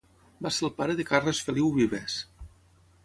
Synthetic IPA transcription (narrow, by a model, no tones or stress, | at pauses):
baselˠpaɾəðekarosfeliwβiβes